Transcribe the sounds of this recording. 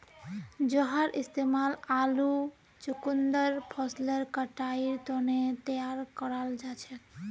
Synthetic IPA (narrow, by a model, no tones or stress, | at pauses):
d͡ʒɔɦaɾʔist̪emalalu | t͡ʃukund̪əɾpʰɔsləɾkəʈaiɾt̪onet̪əjaɾkəɾald͡ʒat͡ʃʰɛt̪